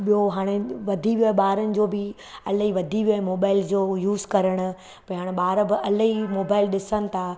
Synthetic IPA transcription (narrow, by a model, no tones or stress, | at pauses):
ɓijoɦaːɽ̃eʋɐd̪ʱiʋijoɦeɓaːɾənɪ̆d͡ʑoːbɪ | ɐləɦiʋɐd̪ʱiʋijoɦemoːbaːɪld͡ʑoːjuːzkɐɾəɽ̃ʊ̆ | pɐ̃ɦaːɽ̃eɓaːɾəbɪʔɐlɦimoːbaːɪlɗɪsənɪ̆t̪ʰaː